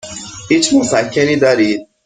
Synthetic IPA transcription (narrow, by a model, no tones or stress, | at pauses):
iːt͡ʃmosæcʰːeniːd̪ɒːɾiːd̪̚